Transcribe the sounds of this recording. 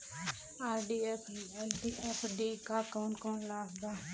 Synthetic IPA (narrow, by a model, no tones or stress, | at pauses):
aːɾɖiːɛpʰɛlɖiːʔɛpʰɖiːkaːkoːnkoːnlaːsd̪aː